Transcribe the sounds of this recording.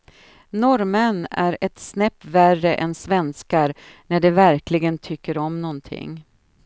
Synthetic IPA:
nɔɾmənæɾɛt̪snɛpːværəʔɛnsvɛnskaɾnæɖɛvæɾklɪɡənt̪ʰʏkːəɾɔmnɔnt̪ʰɪ̰ŋː

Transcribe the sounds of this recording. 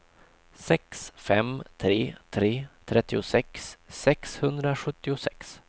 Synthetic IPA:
sɛksfɛmt̪ʰɾeːt̪ʰɾeːt̪ʰɾɛt̪ːɪʊsɛksːɛkshɵnd̪ɾaɧɵt̪ːɪʊsɛks

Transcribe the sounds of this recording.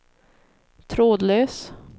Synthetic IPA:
t̪ʰɾoːd̪løːs

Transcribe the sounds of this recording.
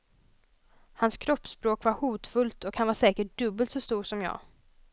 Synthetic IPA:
hanskʰɾɔpːspɾoːkvaɾhuːt̪fɵlt̪ɔkhanvaʂɛːkəʈ̚d̪̥ɵbːəlt̪sɔst̪uːʂɔmjɑ̰ː

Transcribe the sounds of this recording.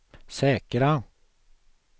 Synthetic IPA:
sɛːkəɾa

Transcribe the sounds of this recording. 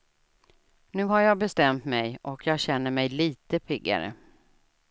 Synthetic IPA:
nʉ̟ːɦaɾjɑːɡbɛst̪ɛmt̪mɛjʔɔkʰjɑːɡɕɛnːəɾmɛjliːt̪əpʰɪɡːa̰ɾə̰

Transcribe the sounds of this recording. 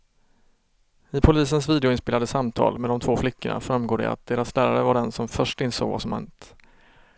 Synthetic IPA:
ɪpʰʊliːsənsviːd̪ɛʊɪnspeːlad̪əsamt̪ʰɑ̰ːlmɛd̪ɔmt̪ʰvoːflɪkːəɳa̰fɾamɡoːɖɛ̰a̰t̪̚d̪eːɾaslæːɾaɾəvaɖɛnsɔmfœʂʈɪnso̰ːɡva̰sɔmhɛ̰nt̪

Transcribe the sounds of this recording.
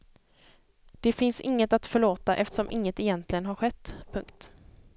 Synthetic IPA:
d̪̥ɛfɪnsɪŋːət̪at̪fœɭoːt̪aʔɛft̪ə̥ʂɔmʔɪŋːət̪ɛjɛnt̪lɪɡənɦaɾɧɛt̪ːpʰɵ̰ŋk̚t̪

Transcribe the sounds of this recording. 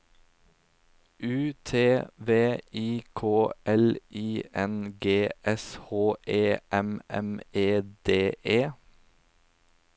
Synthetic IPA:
ʉːt̪ʰeːʋeːiːkʰoːʔɛlʔiːɛnɡeːɛshoːʔeːʔɛmʔɛ̰meːd̪̥eːʔeː

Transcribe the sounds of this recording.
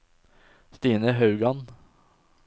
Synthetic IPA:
st̪iːnəɦɑʉɡɑn

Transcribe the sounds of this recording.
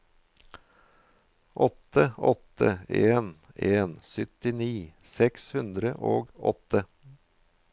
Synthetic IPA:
ʔɔt̪əɔt̪ʰəeːn | eːnsʏt̪ɪniː | sɛkshʉnd̪ɾəʔo̰ːɡɔ̰t̪ə

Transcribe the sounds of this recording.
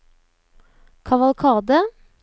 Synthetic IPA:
kʰɑʋɑlkʰɑːʁd̪ə

